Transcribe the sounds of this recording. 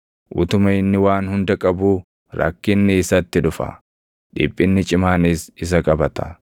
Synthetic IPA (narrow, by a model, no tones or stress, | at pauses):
ʔʊ̰t̪ʊmɐɪnːɪwaːnhʊnd̪ɐkʼɐbuː | ɾɐ̰kːɪnːɪːsɐt̪ːɪᶑʊfɐ̰ | ᶑɪ̰pʼːɪnːɪt͡ʃʼɪmaːnɪsɪs̬ɐkʼɐbɐt̪ɐ̥